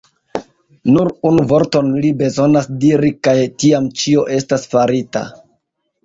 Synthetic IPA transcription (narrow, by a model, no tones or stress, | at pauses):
nuɾunuvo̞ɾto̞nlibe̞zo̞nasdiɾikajtiamt͡ʃio̞ʔe̞stasfaɾita̰